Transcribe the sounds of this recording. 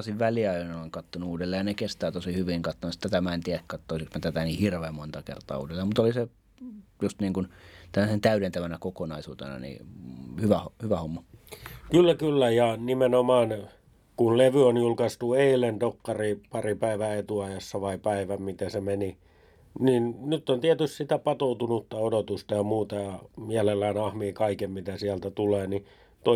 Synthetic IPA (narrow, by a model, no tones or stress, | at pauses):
siʋʋæliɑiɑnoiŋkɑt̪ːonuuːdelːeːjɑnekest̪æːt̪osihyʋiŋkɑt̪ːonsi̥t̪ːæt̪æmæent̪iæækkɑt̪ːoˑisiksmet̪æt̪æniːhirʋeːmmont̪ɑkḛrt̪ˑɑ̰ːṵːdelːˑeːmut̪olise | just̪niːŋkunt̪ælːæsent̪æyɾent̪æʋænækokonɑisṵːt̪ḛnɑ̰nḭːhyʋæhhyʋæhomːɑkylːækylːæjɑnimenomɑːn | kulleʋyonjulkɑst̪ueilendokːɑripɑripæiʋæet̪uɑjɑsːɑʋɑipæiʋæmmit̪esemeni | ninnyt̪ːont̪iæt̪yst̪sit̪æpɑt̪out̪unut̪ːɑodot̪ust̪ɑjɑmuːt̪ɑjɑmiælelːæːnɑhmiːkɑikemmit̪æsiælt̪æt̪uleːni | t̪o